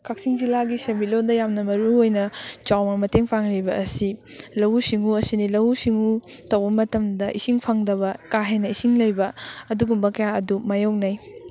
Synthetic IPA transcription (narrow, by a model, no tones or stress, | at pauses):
kʰak̚siŋd͡ʒilaɡisɐmit̚londɐjamnɐmɐɾuojnɐt͡ʃawnɐmɐteŋpʰaŋlejbɐɐsilɐwusiŋuɐsinilɐwusiŋutɐwbɐmɐtɐmdɐʔisiŋpʰɐŋdɐβɐkaɦenɐisiŋlɐjbɐːduɡumbɐkɐjaɐdumɐjownɐj